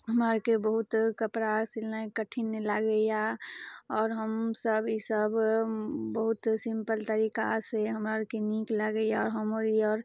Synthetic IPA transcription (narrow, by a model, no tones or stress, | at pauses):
ɦəmɾaɾkebəɦut̪kəpɾasilnajkəʈʰinːelaɡəja | ɔːɾɦəmsəbʱisəb | bəɦut̪sĩmpəlt̪əɾikaseɦəmɾaɾkeniklaɡəjaɔːɾɦəməɾiɔːɾ